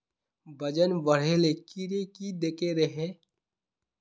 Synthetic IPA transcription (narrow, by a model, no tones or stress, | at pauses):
bɐd͡ʒənʋəɽ̤eːlekiɾekid̪eːkeɾeɦẽː